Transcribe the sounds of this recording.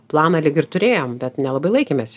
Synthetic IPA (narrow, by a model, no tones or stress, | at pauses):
plˠɑːnɐlʲɪɡʲɪrt̪ʊɾʲeːjoːmbʲɛt̪nʲɛlˠɐbɐɪlˠɐɪkʲeːmʲeːs